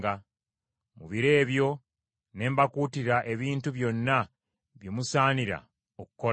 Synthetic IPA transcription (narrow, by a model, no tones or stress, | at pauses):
ɡa | muβiɾe̞ːβjo̞ | ne̞ːmbakuːtiɾaʔe̞βiːntuβjo̞nːa | βjo̞musaːniɾa̰ | oku̥ko